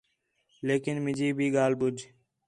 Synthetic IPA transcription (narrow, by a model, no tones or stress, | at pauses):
leːkɪnmɪd͡ʒiːbʱiːɡaːlbʊd͡ʒ